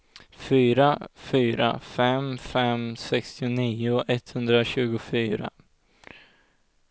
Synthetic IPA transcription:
fyːɾafyːɾa̰fɛmfɛmsɛkst̪ɪʊniːʊʔɛt̪ːhɵnd̪ɾaɕʉ̟ːɡʊfyːɾa̰

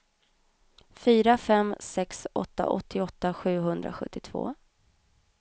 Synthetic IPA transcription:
fyːɾafɛmsɛksɔ̰t̪ːa̰ʔɔt̪ːɪɔt̪ːaɧʉ̟ːɦɵnd̪ɾa̰ɧɵ̰t̪ʰːɪt̪ʰv̥o̰ː

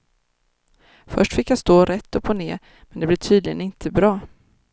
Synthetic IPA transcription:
fœʂʈfɪkːjast̪oːɾʔɛt̪ːɔpʰoneːɾ | mɛnd̪ɛblɛːʈʰyːd̪lɪɡənɪnt̪ʰəbɾɑː

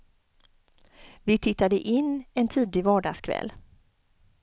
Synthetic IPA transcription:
vɪt̪ʰɪt̪ːad̪əʔɪnːɛnt̪ʰiːd̪lɪvɑːɖɑːskʰvɛ̰l

